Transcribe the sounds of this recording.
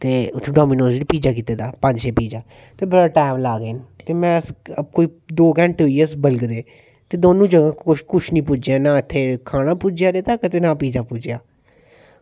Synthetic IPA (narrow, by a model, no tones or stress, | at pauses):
t̪eːʊt̪ʰːẽɖoːmiːnõːsɽiːpiːd͡ʒaːkiːt̪eːd̪aːpə̃ɲd͡ʒseːpiːd͡ʒaː | t̪eːbəɾaːʈaːmlaːɡeːnt̪eːmɛ̃ːəsəkoːiːd̪oːkɛ̃ɳʈɦoːiːsbəlɡd̪eː | t̪eːd̪oːnũːd͡ʒəɡãːkʊkʊt͡ʃʰnĩːpʊd͡ʒãːnãːɪt̪ʰːeːkʰaːnaːpʊd͡ʒjaːd̪eːt̪aːkət̪eːnãːpiːd͡ʒaːpʊd͡ʒjaː